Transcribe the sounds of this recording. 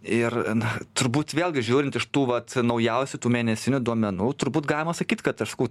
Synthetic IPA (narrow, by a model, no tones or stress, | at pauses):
ɪrt̪ʊɾbuːt̪ʋʲeːlˠʲɡʲɪʒʲuːɾʲɪnt̪ɪʃt̪uːʋɐt̪nɐʊjɛʊsʲʊt̪uːmʲeːnʲɛsʲɪnʲʊd̪uɔmʲɛnuːt̪ʊɾbuːt̪ɡɑːlʲɪmɐsɐkʲiːt̪kɐt̪ɐʃsɐ̥kɐʊ